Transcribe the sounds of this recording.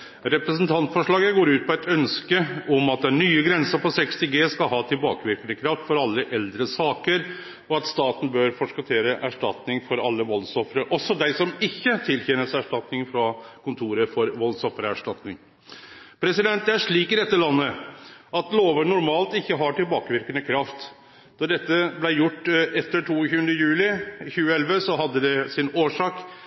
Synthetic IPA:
ɾɛpɾɛsnt̪ʰɑnt̪fɔʂɭɑːɡəɡoːɾʉːt̪̚pʰɔɛt̪œnskəɔmɑt̪̚d̪ɛæɳyːəɡɾɛnsəɾpɔsɛkst̪ɪɡeːskɑlɦɑːt̪ʰɪlbɑːkəʋɪɾkəd̪əkʰɾɑft̪fɔɾɑlːəʔɛld̪ɾəsɑːkəɾ | ɔɑt̪st̪ɑːt̪n̩bøɾfɔʂkɑt̪ʰeːɾəʔæʂʈɑ̰t̪nɪŋfɔɾɑlːəʋɔlsɔfɾəʔɔsːɔd̪æɪsɔmɪçːət̪ʰɪlçeːnəsæʂʈɑt̪nɪŋfɾɑkʊnt̪ʰuːɾəfɔɾʋɔlsɔfəɾəæʂʈɑt̪nɪ̰ŋ | pʰɾɛsɪd̪ɛnt̪̚d̪ɛæʂɭiːkɪd̪ɛt̪ːəɭɑnːəʔɑt̪loːʋəɳʊɾmɑːlt̪ɪçːəɦɑʈɪlbɑːkəʋɪɾkənəkʰɾɑft̪ | d̪ɑɖɛt̪ːəblæɪjʊʈːɛt̪ːəʈʰuːçʉːənd̪əjʉːlɪçʉːəɛlʋəsɔɦɑd̪ːəd̪ɛsɪnoːʂɑːk

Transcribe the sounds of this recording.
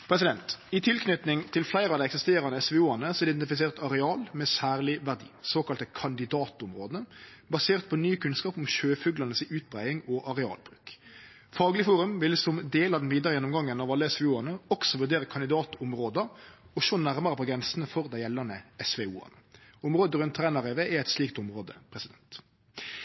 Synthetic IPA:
pʰɾɛsɪd̪ɛnt̪ɪt̪ʰɪlkʰnʏt̪nɪŋt̪ʰɪlflæɪɾəɑʋd̪æɪɛksɪst̪eːɾɑnəɛsʋɛuːɑnəsɔɪd̪ɛnt̪ɪfɪs̬eːʁt̪ɑʁɛɑːlmɛsæːʁlɪʋæʁd̪ḭːsoːkɑlt̪əkʰɑnd̪ɪd̪ɑːt̪ʊmʁoːd̪əbɑseːʁt̪̚pʰɔnyːkʰʉnskɑːpɔmʃøːfʉɡlɑnəsɪʉːt̪̚bʁæɪɪŋɔʔɑʁɛɑ̰ːlbʁʉ̰ːk | fɑːɡlɪəfuːʁʉmʋɪlsɔmd̪eːlɑd̪ɛnʋiːd̪əʁəjɛnːʊmɡɑŋːənɑʋɑlːəɛsʋɛuːɑʁnəɔksɔʋʉʁd̪eːʁəkʰɑnɪd̪ɑːt̪ʊmʁoːd̪ə | ɔʃoːnæʁməʁəpɔɡɾɛnsənəfɔʁd̪æɪjɛlːɑnəɛsʋɛṵːɑ̰nəʊmʁoːd̪əʁʉnt̪ʰːʁæːnɑʁeʋeʔæɛɪt̪sliːk̚t̪ʊmʁoːd̪əpʰʁɛsɪd̪ɛnt̪

